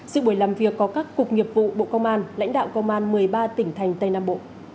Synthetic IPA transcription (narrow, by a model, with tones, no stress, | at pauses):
sɨ̰˧˨ɓu˧˩jlaː˨˩mvi˨˩əkːɔ˨˦kaː˦˥kːʊ˨˩k̚ŋi˨˩əp̚vṵ˧˨ɓo̰˧˨kə˧wŋ͡mʔaː˧nla̰˧˥jŋ̟ɗa̰ː˧˨wkə˧wŋ͡mʔaː˧nmɨ˨˩əjɓaː˧t̪ï˧˩ŋ̟t̪ʰa˨˩jŋ̟t̪ə˧jna̰ː˧˨mɓo̰˧˨